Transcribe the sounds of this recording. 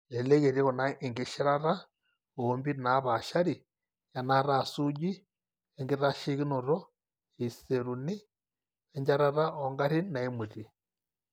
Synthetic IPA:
ɛ˨lɛ˦ɣe˨ɾi˦ɣɔ˨na˦i˨ŋɡe˦ʃi˦ɾa˦ɾa˦ | o˨˦mbi˦na˨˦βa˨ʃa˦ɾi˨ | ja˨na˦ɾa˨su˦ɟi˦ | ɛ˦ŋɡi˦ɾa˦ʃi˦ɣi˦no˨ɾɔ˦ | i˨se˨ɾu˨ni˦ | ɛ˦ɲd͡ʒa˦ɾa˦ɾa˦ɔ˨ŋɡa˦ɾi˦na˨i˦mu˨ɾi˨

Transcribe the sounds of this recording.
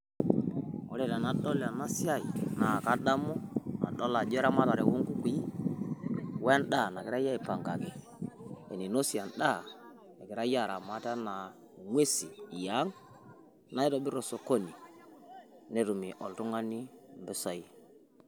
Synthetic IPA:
ɔ˨le˦˨ta˨na˨ɗɔ˦la˨na˦sja˦i˨na˨ka˦da˦mɔ˦na̰˨ɗɔ˦la˨d͡ʒɛ˦ɾa˦ma˦ta˨ɾe˨wu˦ŋku˦kʷi˦ | wɛ˦nɗa˦˨na˨kɪ˨˦ɾa˦ja˦i˨pa˨ŋɡa̰˨kɛ˨ | e˨ni˨no˦si˨a˨nɗa˦˨ | e˨kɪ˨ɾa˦ja˦˨ɾa˨ma˦ta˦na˨ | ŋwe˦si˨ja˨˦ŋ | na˦i˦tɔ˨˦bɪ˦ɾɔ˨so˨ko˦ni˨ | ne˦ɾu˨mi˨ʔɔ̰˨ltu˦ŋa˦ni˦mbɪ˦sɔ˨ji˨

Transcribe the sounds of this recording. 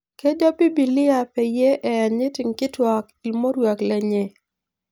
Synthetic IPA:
ke˦d͡ʒɔ˦pi˦bi˨lɪ˦a˨pɛ˨je˦ʔɛ˨ɲɪ˦tɪ˨ŋkɪ˦twa˨ki˨lmo˦ɾwa˨klɛ˨ɲe˨

